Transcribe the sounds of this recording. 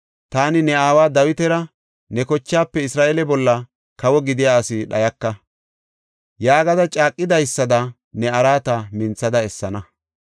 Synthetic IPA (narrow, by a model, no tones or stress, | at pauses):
t̪aːnɪnɛaːwaːd̪ɐwɪt̪ɛɾɐ | nɛkɔt͡ʃːaːpːɛɪsɾaːʔɛlɛbɔlːɐ | kɐwɔɡɪd̪ɪjaːsɪɗɐjɐkːɐ | jaːɡɐd̪ɐt͡ʃʼaːkʼːɪd̪ɐjsːɐd̪ɐ | nɛɐɾaːt̪ɐmɪnt͡sːɐd̪ɐɛsːɐnɐ